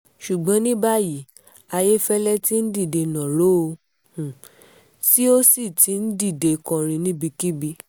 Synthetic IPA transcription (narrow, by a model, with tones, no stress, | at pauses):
ʃu˨ɡ͡bɔ̃˨˦nĩ˦ba˦ji˨ | a˧je˦fɛ˦lɛ˦ti˦n̩˦di˦˨de˧nɔ̃˨ɾo˦o˧ | hũ˨ | si˦o˦si˦˨ti˨˦n̩˦di˦˨de˧kɔ̃˨˧ɾ̃ĩ˧nĩ˦bi˧ki˦bi˧